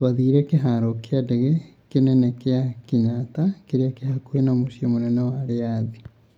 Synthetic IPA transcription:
twaðiːɾɛkeɦaɾɔkeadɛɣekenɛnɛkeakeɲatakeɾeakeɦakuenamosiomonɛnɛwaɾeaði

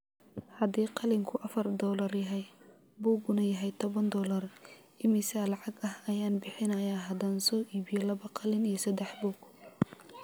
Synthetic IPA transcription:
hɐd̪iːqɑlɪŋkʰʊʔɐfɐrd̪ɔːlɐrjɐɦɛj | buːɡʊnɐjɐɦɛjt̪ʰɔβɐnd̪ɔːlɐr | ɪmɪsaːlɑʕɑɡɐhɐjaːnbɪħɪnɐjaːɦɐd̪aːnsɔːʔiːbɪjɔlɐβɐqʰɑlɪnijɞsɐd̪ɛħbuːɡ̥

